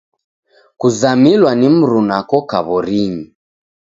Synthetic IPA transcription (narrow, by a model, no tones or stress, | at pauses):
kuzamilwanim̩ɾunakɔka̰βɔɾiɲi